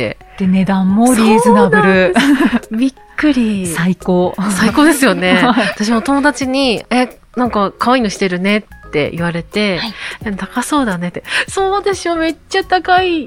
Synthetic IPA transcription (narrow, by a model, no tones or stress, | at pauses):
ḛ | t̪ene̞d̪ãmːoɾʲizɨnabɯɾɯ̟ | bʲikːɯ̟ɾʲisaikoːsaiko̞ːd̪e̞sɨjo̞ne̞βat̪aɕ̬imot̪o̞mo̞d̪at͡ɕiɲ̟ie̞ | nãŋkakʰaβainoɕi̥t̪e̞ɾɯ̟ne̞t̪ːe̞̰ʔḭβ̞aɾe̞t̪e̞ainet̪akaso̞ːd̪ane̞t̪ːesoːd̪e̞ɕɨjome̞t͡ɕːat̪akai